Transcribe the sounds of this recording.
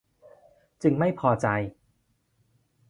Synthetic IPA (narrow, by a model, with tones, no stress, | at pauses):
t͡ɕɯ˧ŋma˥˩jpʰɔː˧t͡ɕa˧j